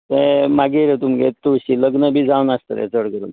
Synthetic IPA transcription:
t̪ẽmaɡeɾet̪umɡett̪ːuɕiːləɡnəbʱiːd͡zawnast̪ə̰t̪ɛ̰t͡səɽkəɾṵn

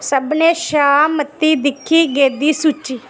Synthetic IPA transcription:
səbneːʃaːmət̪ːiːd̪ɪkʰːiːɡeːd̪iːsut͡ʃːiː

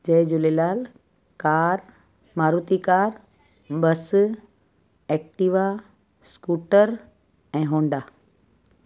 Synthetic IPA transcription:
d͡ʑɐd͡ʑʊlelaːl | kaːɾ | maːɾut̪ikaːɾ | bɐs | ɛːk̚ʈiʋa | skuːʈəɾ | ɛ̃ːɦõːɳɖaː

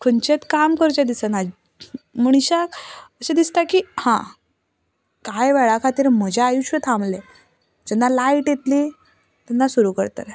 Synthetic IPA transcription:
kʰənt͡ɕet̪kamkəɾt͡ɕad̪isənad͡ʑ | məɳ̃ɕakəsed̪ist̪akiːhã̰ | kajʋɛɭakʰat̪iːɾm̤əd͡ʑʱaajuɕʋət̪ʰãmle | d͡ʑɛnːalaiʈjet̪li | t̪ɛnːasuɾukəɾt̪ə̰ɾ

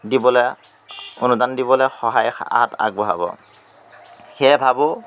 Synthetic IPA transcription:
dibɔlɛ | ʊ̰nudandibɔlɛxɔɦaja̰ata̰ɡ̚bɔɦa̰bɔ̰ | xɛbʱabʊ

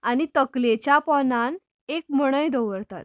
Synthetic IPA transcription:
añit̪əklet͡ɕjapɔnan | ekməɽ̃əjd̪ɔʋəɾt̪a̰t̪

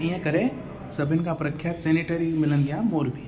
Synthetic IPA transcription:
ijãkɐɾe | sɐbʱɪnkapɾɐkʰjaːt̪sɛːneʈəɾimɪlə̃nd̪jaːmoːɾbʱiː

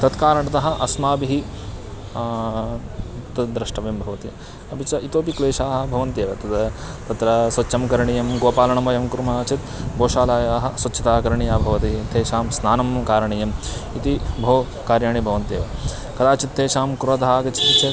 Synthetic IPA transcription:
t̪ɐt̪kaːɾɐɳɐt̪ɐɦɐ̆ʔɐsmaːbiɦi | t̪ɐd̪ɾɐʂʈɐʋeːmbʱɐʋɐt̪i | ɐbit͡ʃɐʔit̪oːpikleːʃaːɦɐ̆bʱɐʋɐnt̪eːʋɐt̪ɐt̪ɐt̪ɐt̪ɾɐsʋɐtːʃɐmkɐɾɐɳijɐmɡoːpaːlɐɳɐmɐjɐmkuɾumaːt͡ʃit̪boːʃaːlaːjaːɦɐ̆sʋɐtːt͡ʃʰːit̪aːkɐɾɐɳijaːbʱɐʋɐt̪it̪ʰeːʃaːmsnaːnɐmkaːɾɐɳijɐmit̪ibʱoː | kaːɾjaːɳibʱɐʋɐnt̪eːʋɐ | kɐd̪aːt͡ʃit̪ʰːeːʃaːmkuɾʋɐt̪ɦaːɡɐt͡ʃi̥t̪it͡ʃe

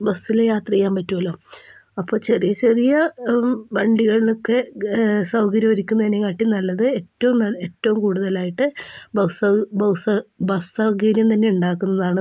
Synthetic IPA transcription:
bɐsːilejaːt̪rɐjaːmpɐtːuɐloːɐpːo̞ːɕɐrijɐt͡ɕerijɐ | bɐɳɖiɣɐɭilokːe̞sɐwkɐɾjɐʋɐɾikʲːunːɐðinːekaːʈːinɐlːɐðɨetːɐʋumnɐetːɐʋumkuːɽuðɐlaːjiʈːɨbɐsɐbɐsɐbɐssɐwɡiːɾjɐmt̪ɐnːe̞uɳɖaːkːunːɐðaːɳɨ

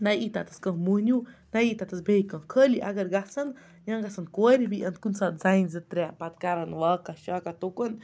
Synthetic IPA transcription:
najit̪at̪ə̥skə̃munʲunajiːt̪at̪əsbeikə̃kʰəliʔa̰ɡəɾɡasɐn | jaŋɡasənkoɾʲibiʔənt̪̚kunsaːt̪zajnzət̪ɾʲɛpat̪̚kaɾɐnʋakaʃakat̪okən

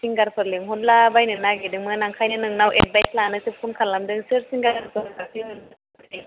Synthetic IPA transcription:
siŋɡaɾpʰɯɾliŋɦunlabajnɯnaɡedɯŋmɯnaŋkʰajnɯnɯŋnawʔḛt̚bajsʰlanɯsip̚kʰunkʰanlamdɯŋsɯɾsiŋɡaɾaɾpʰɯɯŋasʰiɦɯn | iŋ

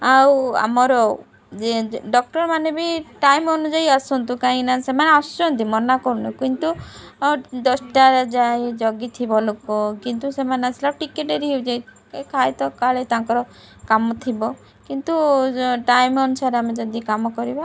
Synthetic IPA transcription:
awa̰mɔɾɔ | d͡ʒeɖɔk̚ʈɔɾmanebiʈajmɔnud͡ʒajasɔnt̪ukaɦĩnasemaneast͡ʃɔɔnt̪imɔnakɔɾunɔkint̪u | d̪ɔsʈaɾd͡ʒaed͡ʒɔɡit̪ʰibɔlokɔkint̪usemaneasʰilaʈikeʈeɾiɦewd͡ʒaj | kʰajt̪ɔkaɭet̪aŋkɔɾɔ | kamɔt̪ʰibɔ | kint̪uʈajmɔnusaɾeamed͡ʒɔd̪ikamɔkɔɾiba

